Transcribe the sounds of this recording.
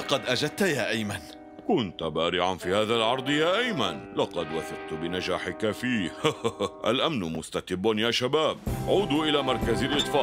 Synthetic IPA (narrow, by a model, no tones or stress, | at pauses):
ɑqɑd̪ʔad͡ʒad̪̚t̪ajaːʔajman | kʊnt̪ʊbaːɾɪʕanfiːhaːðalʕɑɾˤd̪ˤjaːʔajmanlɑqɑd̪waθɑq̚t̪bɪnad͡ʒaːħɪkafiːhʔa̰lʔamnmʊst̪at̪ɪbːanjaːʃabaːb̚ʕuːd̪uʔɪlaːmɑɾˤkazɪlʔɨt̪ˤfɑːʕ